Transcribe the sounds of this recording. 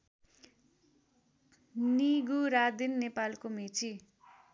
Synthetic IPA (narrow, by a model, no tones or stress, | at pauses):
niɡuɾad̪inːepalkomit͡si